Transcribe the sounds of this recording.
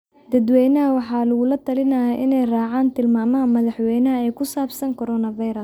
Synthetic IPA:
d̪̥ɐd̪wɛjnɐɦɐwɑħɑːlɐɣʊlɐt̪ʰɐlɪnɐjaʔɪnɛjraːʕaːnt̪ʰɪlmaːmɐɦɐmɐðɑħwɛjnɐɦɐɛjkʰʊsaːbsɐŋkʰɔɾɔːnɐvɐjɾɐs

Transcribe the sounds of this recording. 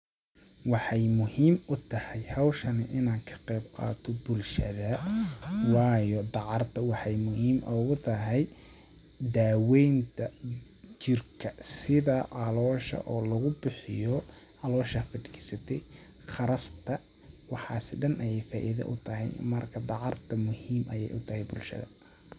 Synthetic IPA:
wɑħɑjmʊhiːmʊt̪ʰɐhɛjhɑwʃɐnɪʔɪnaːkʰɐ̥qɛjbqɑ̰ːt̪ʰɔbʊlʃɐ̰ðɐ | wɑːjɔd̪ɑʕɑrt̪ʰɐwɑħɑjmʊhiːmʔɔɣʊt̪ʰɐɦɛj | d̪aːwɛjnt̪ʰɐ | t͡ʃɪrkʰɐsɪðɐʔɑlɔːʃɐ̰ʔɔːlɐɣʊbɪħɪjɔ | ɑlɔːʃɐfɐɖɪkʰɪ̥sɐt̪ʰɛj | χɑɾɐst̪ʰɐ | wɑħɑːsɪɖɐnʔɐjɛjfaːʔɪðɐ̰ʔʊt̪ʰɐɦɛ̰jmɐrkʰɐd̪ɑʕɑrt̪ʰɐmʊhiːmʔɐjɛ̰jʔʊt̪ʰɐhɛjbʊlʃɐ̰ðɐ̰

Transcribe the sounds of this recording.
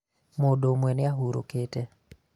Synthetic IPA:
modomwɛnɪaɦuɾo̰kete

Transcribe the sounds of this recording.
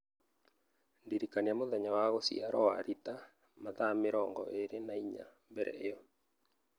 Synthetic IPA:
ndiɾikaniamoðɛɲawaɣosḭaɾɔwaɾita | maðameɾɔŋɡɔ̰ʔeɾenaiɲa̰mbɛɾɛ̰ejɔ

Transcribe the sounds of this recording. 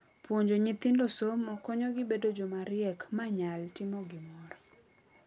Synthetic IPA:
pwoɲd͡ʒoɲit̪ɪndosomokɔɲɔɡɪbedod͡ʒomaɾɪɛkmaɲaltɪmɔɡɪmɔɾɔ

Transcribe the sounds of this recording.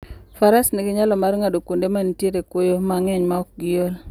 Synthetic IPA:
faɾasnɪɡɪɲalɔmaɾŋadokundemantjeɾekwojomaŋɛɲmaɔk̚ɡɪjol

